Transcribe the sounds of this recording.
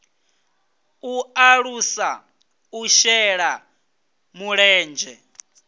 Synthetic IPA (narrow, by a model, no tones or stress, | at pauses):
uaɺusa | uʃɛɺa | muɺɛːnd͡ʒɛ